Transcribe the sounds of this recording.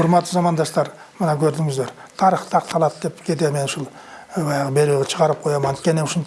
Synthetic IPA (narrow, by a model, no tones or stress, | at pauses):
ʊɾmɑt̪ːəzɑmɑnd̪ɑʃt̪ɑɾ | mənɑkʲʰɵɾd̪ɪŋɪzd̪e̞ɾ | t̪ʰɑɾiχt̪ʰɑq̚t̪ɑlˠɑd̪əd̪e̞pkʲʰe̞t̪̬eme̞nʊʃulˠ | bɑjɑʁəbe̞ɾuɡʲet͡ʃʰəʁɑɾəp̚qʰo̞jɑmɑnt̪̚kʲe̞nemʊʃʊn